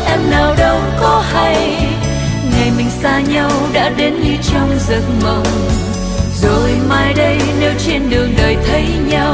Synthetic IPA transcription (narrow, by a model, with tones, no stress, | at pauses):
ʔɛ˧mnaː˨˩wɗə˧wkɔ˨˦ha˧j | ŋa˨˩jmï˨˩ŋ̟saː˧ɲa˧wɗa̰ː˧˥ɗe˨˦nɲɨ˧t͡ɕɔ˧wŋ͡mzə˨˩nmə˨˩wŋ͡m | zo˨˩jmaː˧jɗə˧jne˨˧wt͡ɕe˧nɗɨ˨˩əŋɗəː˨˩jt̪ʰə˨˦jɲa˧w